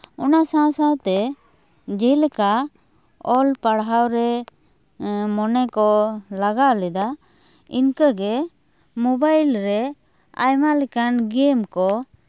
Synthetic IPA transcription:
ɔnasãsãt̪ɛ | d͡ʒɛjlɛka | ɔlpaɽɦawɾɛ | mɔnɛkɔlaɡaʔlɛd̪a | inkəɡɛ | mɔbajlɾɛ | a̰jmalɛkanɡemkɔ

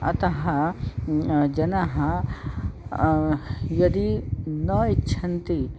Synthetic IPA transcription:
ɐ̰t̪ɐɦɐ | d͡ʒɐnɐɦɐ | jɐd̪inɐitːʃʰɐnt̪i

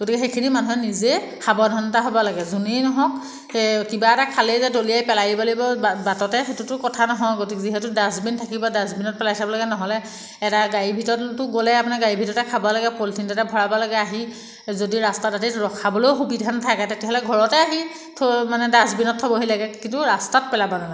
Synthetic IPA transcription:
ɡotikɛxekʰinimanuɦɛnize | kabɔdʱɔnɔtaɦobɔlaɡɛzuninɔɦɔk | kibaɛtakʰalezɛdoliajpɛlajibɔlibɔbatɔtɛxetutʊkɔtʰanɔɦɔɡotikɛziɦɛtʊdasbintʰakibɔdasbinɔt̚pɛlajtʰabɔlaɡɛnɔɦɔlɛː | taɡajibʱitɔtʊɡolɛapunaɡaɹibʱitɔtɛkʰabɔlaɡɛpoltʰintɔtɛbʱɔɹabɔlaɡɛaɦi | zodiɹastatatitɹɔkʰabɔloxubidʱantʰakɛtetɛɦɔlɛɡʱɔɹɔtɛaɦi | tʰomanɛdasbinɔt̚ʰɔbɔɦijlaɡɛkintʊɹastat̚pɛlabɔnana

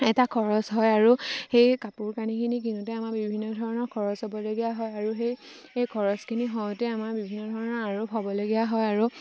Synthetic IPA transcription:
ɛtakʰɔɹɔsɦɔjaɹuxejkapuɹkanikʰinik̬inutɛamakbibʱinːɔdʱɔɹɔnɔɹkʰɔɹɔsɔbɔloɡijaɦɔjaɹuxej | ejkʰɔɹɔskʰiniɦɔjtɛamaɹbibʱinːɔdʱɔɹɔnɔɹaɹupʰɔbɔloɡijaɦɔjaɹu

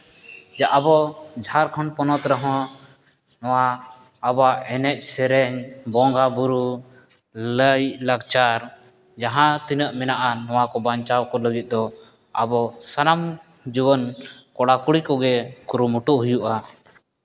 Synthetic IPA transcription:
d͡ʒaʔabɔd͡ʒʱaɾkʰɔnpɔnɔt̪ɾəɦɔ̃ | nɔwaː | baɛnɛʔ̚sɛɾɛɲbɔŋɡabuɾu | ləjləɡt͡ʃaɾ | d͡ʒaɦãt̪inəʔmɛnaʔanɔw̃akɔbaɲt͡ʃawkɔləɡit̪̚d̪ɔ | a̰bɔsanam | d͡ʒubɔnkɔɽakuɽikɔɡɛkuɾumuʈuʔɦujuʔa

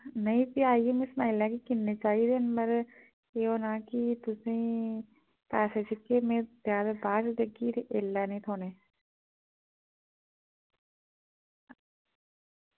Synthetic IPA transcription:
nɐĩpiaːiemɪsnaɪlːakikɪnːet͡ʃaːid̪eːnbɐɾ | eonaːkit̪ʊseĩ | pɛːsed͡ʒɪkemẽzjaːd̪abaːsd̪eɡit̪ʔɪlːanĩt̪ʰoːneː

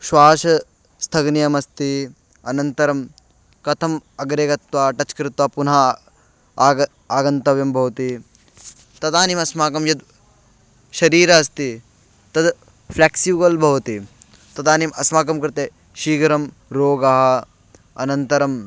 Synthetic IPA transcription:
ʃwaːʃɐ | st̪ʰɐɡnijɐmɐst̪i | ɐnɐnt̪ɐɾɐm | kɐt̪ʰɐmɐɡɾeːɡɐt̪ʋaːʈɐt͡ʃkɾɪt̪ʋaːpunɦa | aːɡɐnt̪ɐʋjɐmbʱɐʋɐt̪i | t̪ɐt̪aːnimɐsmaːkɐmjɐd̪̚ | ʃɐɾiːɾɐɐst̪i | t̪ɐd̪ | pʰleːksiʋɡɐlbʱɐʋt̪i | t̪ɐt̪aːnimɐsmaːkɐmkɾɪt̪e | ʃiːɡɐɾɐm | ɾoːɡɐɦɐ̆ | ɐnɐnt̪ɐɾɐm

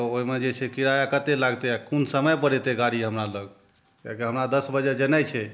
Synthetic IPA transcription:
t̪ɔoɦimed͡ʒet͡ʃʰɛkiɾajakət̪elaɡt̪eakunsəməjpəɽɛt̪eɡaɽiɦəmɾaləɡ | ka̰kiɦəmɾad̪əsbəd͡ʒed͡ʒenɛt͡ʃʰɛ

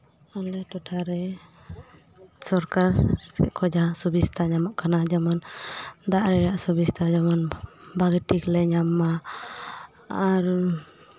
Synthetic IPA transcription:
alɛʈɔʈʰaɾɛ | sɔɾkaɾɛ̰kʰɔd͡ʒasubist̪ʰaɲamaʔkanad͡ʒamand̪aʔɾɛɾaʔsubist̪ʰad͡ʒamanbaɡʈiklɛɲamːa | aɾ

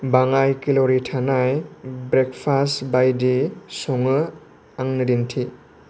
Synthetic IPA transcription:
baŋajkilɔɾitʰanajbɾekpʰasbajdisɔŋɯ | aŋnɯɾintʰi

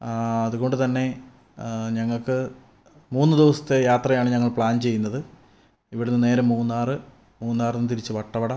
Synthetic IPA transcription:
ɐðuɣo̞ɳɖɨt̪ɐnːe̞ | ɲɐŋːɐɭkɨ | muːnːɨd̪iʋɐsɐ̥t̪ːejaːt̪rɐjaːɳɨɲɐŋːɐɭpɭaːnt͡ɕe̞jːunːɐðɨ | iʋiɽenːɨne̞ːɾɐmuːnːaːrɨ | muːnːaːrɨnːɨt̪iɾit͡ɕːɨʋɐʈːɐʋɐɽɐ

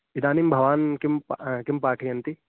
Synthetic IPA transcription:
id̪aːnimbʱɐʋaːnkɪmpkimpaːʈʰijɐnt̪i

